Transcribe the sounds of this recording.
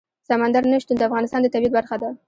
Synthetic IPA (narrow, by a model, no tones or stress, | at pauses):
samand̪aɾnəʃt̪und̪əafɣɑnɪst̪ɑnd̪ət̪abjad̪̚baɾxad̪a